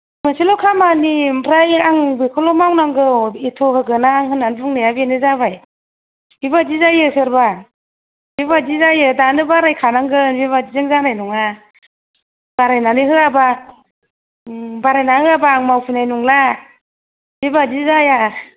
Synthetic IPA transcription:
mɯsilɔkʰamanimpʰɾajaŋbɯkʰɔlɔmawnaŋɡɯitʰɔhɯɡɯnaːŋɦɯnanbuŋnɯjabenɯzaβaj | bibazizajɯsɯɾba | biβad͡ʒizajɯdanɯbaɾajkʰanaŋɡɯnbiβad͡ʒizɯŋzanajnuŋa | baɾajnanɯɦɯaba | baɾajnahɯabaːŋmawpʰɯnajnuŋla | bibazizaja

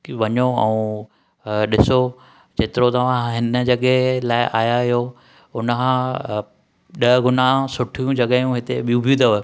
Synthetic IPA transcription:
ʋɐɲoɛũ | ɗɪso | d͡ʑeːt̪ɪɾot̪ɐʋ̤ãɦɪnə̆d͡ʑɐɠelaːɪʔaːɦjaɦɪjo | ʊnəkã | ɗɐɦɡʊnasʊʈʰijũd͡ʑɐɠajũɦɪt̪eɓijũbʱijũt̪ʰɐɦoe

